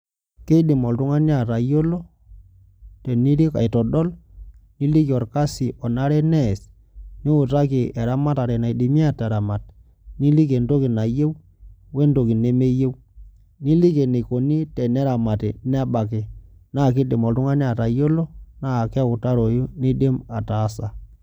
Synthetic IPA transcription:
ke˦dɪ˨mɔ˨ltʊ˦ŋa˦n˦a˦˨ta˨jo˦lo˦ | tɛ˨ni˦ɾi˦ka̰˨jtɔ˨ɗɔ˦lni˦li˦kɔ˨rka˦si˨ʔɔ˨na˦ɾɛ˦nɛ˦˨s | ni˦ʊ˨ta˦ki˨ʔɛ˨ɾa˦ma˦ta˨ɾɛ˨na˨jdi˨mi˦a˦tɛ˨ɾa˨ma˨t̚ | ni˦li˦ke˨ndo˦ki˨na˨je˦w | we˦ndo˨ki˨ne˦me˦je˦w | ni˦li˦ke˨ne˨ko˨ni˦tɛ˨nɛ˦ɾa˨ma˨ti˨nɛ˦ɓa˨kɪ˨naː˦˨ki˦de˨mɔ˨tʊ˦ŋa˦ni˦a˨ta˨jo˦lo˦na˦˨kɛ˦ʊ˨ta˦ɾo˨ju˦ni˦de˦ma˨taː˨˦sa˨

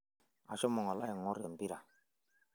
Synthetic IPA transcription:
a̰˨ʃɔ˦mɔ˨ŋa˨la˦jɛ˨ŋɔ˦ɾɛ˨m˨bi˦ɾa˨

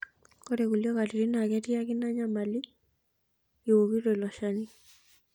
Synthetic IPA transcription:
kɔ˦ɾɛ˨ku˨ljɔ˦ka˨ti˨ɾi˦na˨kɛ˦ti˦a˦ki˦na˦ɲa˦ma˨li˦ | i˨wo˨ki˦tɔ˨i˨lɔ˨ʃa˦ni˦

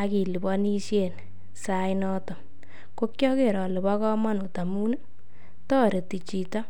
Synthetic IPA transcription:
a˧ki˨li˨bɔ˦ni˦ʃe˨n | sa˦jnɔ˦tɔ˨ | ko˦kjɔ˦ke˨ɾɔ˨le˨bɔ˦kɔ˦mɔ˦n˨ta˨mu˦nɨ˦ | tɔː˦ɾe˨ti˨t͡ʃi˨tɔ˦

